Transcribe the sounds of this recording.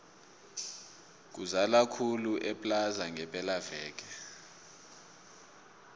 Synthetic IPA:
k̬uzalakʰuluʔɛpʼlazaŋɛpʼɛlavɛːk̬ʼɛ

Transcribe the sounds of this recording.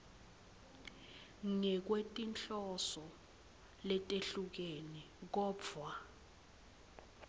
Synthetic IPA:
ŋɛk̬wetʼint͡ɬɔsɔ | lɛtʼeɬuk̬eni | k̬ɔːbfwa

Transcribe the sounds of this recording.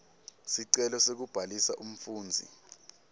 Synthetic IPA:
siǀɛlɔsek̬ub̥ʱalisaʔum̩fuːnd͡zʱḭ

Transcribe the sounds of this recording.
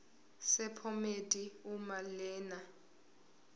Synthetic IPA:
sɛpʰɔmedʼiumalɛːna

